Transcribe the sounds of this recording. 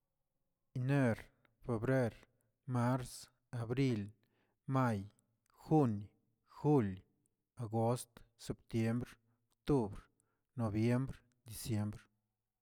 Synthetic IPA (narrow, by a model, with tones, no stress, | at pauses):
ine˦ɾ | fe˧bɾe˦ɾ | ma˦ɾs | a˨bɾi˧l | ma˦j | xu˦n | xu˦l | a˨ɡo˦st̪se˧˨p̚t̪je˦mbɾ | okt̪u˦bɾ | no˨bje˦mbɾ | d̪i˨sje˧˦mbɾ